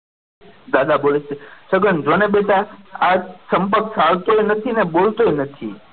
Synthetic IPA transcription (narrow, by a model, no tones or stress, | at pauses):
d̪ad̪abolet͡ʃesəɡənd͡ʒonebet̪aasəmpəksaʋt̪oenət̪ʰinebolt̪oenət̪ʰḭ